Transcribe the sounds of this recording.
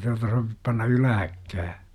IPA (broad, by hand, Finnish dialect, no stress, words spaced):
tuɑtɑ soʋip pɑnːɑ ylæhækːæː